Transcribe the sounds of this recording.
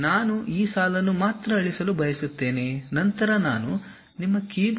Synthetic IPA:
naːnuʔiːsaːlɐnːumaːt̪ɾɐɐɭisɐlubʱɐjɐsut̪ːe̞ːne̞ːnɐnt̪ɐɾɐnaːnu | nimːɐkiːb

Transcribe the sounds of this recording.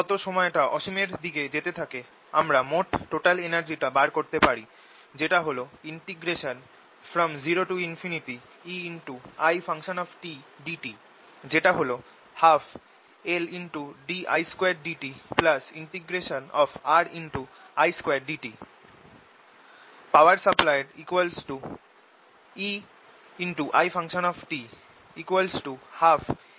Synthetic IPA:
ɡɔt̪oʃɔmɔeʈaʔɔʃomeɾd̪iked͡ʑet̪et̪ʰake | amɾamoʈːoʈalenaɾd͡ʑiʈabaɾkoɾt̪epaɾi | d͡ʑeʈaɦoloiɳʈiɡɾeʃon | fɾɔmziɾoʈuinfʰiniʈi | iinʈuajfʰaŋʃonɔfʈiɖiʈi | d͡ʑeʈaɦolo | haf | elinʈuɖiʔa̰jskoeɖɖiʈiplɐsiɳʈiɡɾeʃɔnɔfaɾinʈu | ajskweɾɖiʈi | pawɐɾsəplajɖikwalsʈu | i | inʈuʔajfʰãŋʃɔnɔfʈi | ikwalsʈuhaf

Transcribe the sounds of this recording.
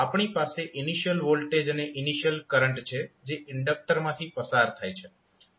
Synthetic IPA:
apɳ̃ipaseʔɪniʃjəlʋolʈed͡ʒneʔɪniʃjəlkəɾəɳʈt͡ʃʰed͡ʒeɪɳɖək̚ʈəɾmãt̪ʰipəsaɾt̪ʰajt͡ʃʰe

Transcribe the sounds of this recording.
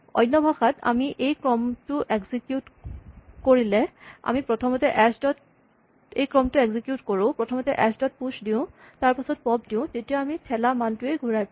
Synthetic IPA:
ɔ̰jnːɔbʱaxata̰miʔejkɹɔmtʊʔeɡzikjut | koɹilɛa̰mipɹɔtʰɔmɔtɛʔɛsdɔt | ejkɹɔmtʊeɡzikjutkoɹʊ̃pɹɔtʰɔmɔtɛʔɛsdɔt̚pusdiʊ̃ | taɹpasɔt̚pɔb̚diʊ̃tetijaamitʰɛlamantʊejɡʱuɹajp

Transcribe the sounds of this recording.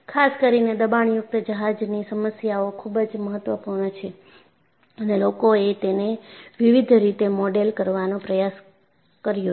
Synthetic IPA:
kʰaskəɾined̪əbaɳjʊk̚t̪əd͡ʒəɦad͡ʒnisəməsjaokʰubd͡ʒməɦət̪ʋəpuɾɳt͡ʃʰe | ənelokoet̪eneʋiʋid̪ʱɾit̪emɔɖelkəɾʋanõpɾəjas | kəɾjo

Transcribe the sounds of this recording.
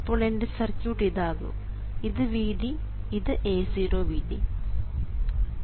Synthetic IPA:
ɐpːoːɭendesɐrt͡ɕuːʈiðaːɣo̰ː | iðɨʋiːɖi | iðɨʔeːsiːɾoːʋiːɖi

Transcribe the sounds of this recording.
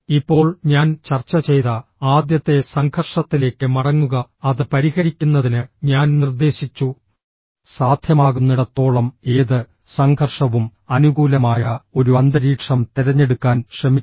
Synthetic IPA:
ipːo̞ːɭɲaːnt͡ɕɐrt͡ɕːɐt͡ɕe̞jðɐaːd̪jɐt̪ːe̞sɐŋɡʰʱɐrʂɐt̪ːile̞ːkːɨmɐɽɐŋːuɣɐɐðɨpɐɾihɐɾikʲːunːɐðinɨɲaːnnird̪e̞ːɕit͡ɕːu | saːd̪ʱjɐmaːɣunːuɽet̪ːo̞ːɭɐmeːðɨ | sɐŋɡʰʱɐrʂɐʋumɐnuɣuːlɐmaːjɐo̞ɾuɐnd̪ɐɾiːʈʂɐmt̪iɾɐɲːe̞ɽukːaːnʂrɐmi

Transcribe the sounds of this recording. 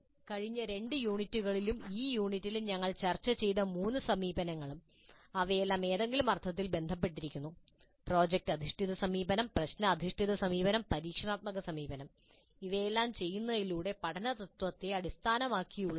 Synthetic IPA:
kɐɻiɲːɐɾe̞ɳɖɨjuːɳitːuɣɐɭilumiːjuːɳitːiluɲɐŋːɐɭt͡ɕɐrt͡ɕːɐt͡ɕe̞jnɐmuːnːɨsɐmiːbɐnɐŋːɐɭum | ɐʋejelːaːme̞ːðe̞ŋɡilumɐrt̪ʰːɐt̪̬ːilbe̞nd̪ʱɐp̬ːe̞ʈːiɾikʲːunːu | pro̞ːd͡ʑek̚ʈɐd̪ʱiʂʈiðɐsɐmiːbɐnɐmprɐɕnɐːd̪ʱiʂʈʰiðɐsɐmiːbɐnɐmpɐɾiːkʂɐɳaːt̪̚mɐɣɐsɐmiːbɐnɐm | iʋe̞jelːaːmt͡ɕe̞jːunːɐðiluːɽe̞pɐʈʰɐnɐt̪ɐt̪wɐt̪ːeɐɽist̪ʰaːnɐmaːkːijuɭːɐ

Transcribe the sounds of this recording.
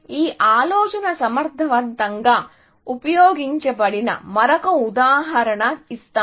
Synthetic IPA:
iːʔaːlɔːt͡ʃɐnɐsɐmɐɾt̪ːɐʋɐnt̪ɐŋɡaː | upɐjoːɡiɲt͡ʃɐbɐɽinɐ̰mɐɾɐkɐud̪aːɦɐɾɐɳɐist̪a

